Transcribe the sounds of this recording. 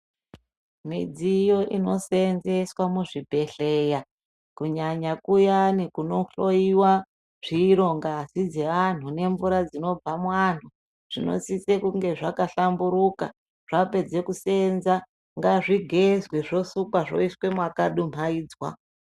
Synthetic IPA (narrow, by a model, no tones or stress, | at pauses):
mid͡zijo̞ʔino̞senze̞swamuʐibʱe̞ɬeːja | kuɲaɲakujanikuno̞ɬo̞iwa | ʐ̥iːɾo̞ŋɡaːsid͡ze̞ʋan̤une̞ɱvuɾad͡zino̞b͡vamwan̤u | ʐ̥ino̞̰sisekuŋɡe̞ʐakaɬambuɾuka̰ | ʐ̥ape̞d͡ze̞kuse̞nza | ŋɡaʐiɡʱe̞zweʐo̞sukwaʐo̞̰iswe̞mwakaɗum̤aiːd͡zwa̰